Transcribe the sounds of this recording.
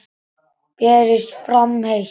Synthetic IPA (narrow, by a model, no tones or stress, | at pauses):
pɛːɾɪst̪fɾamhex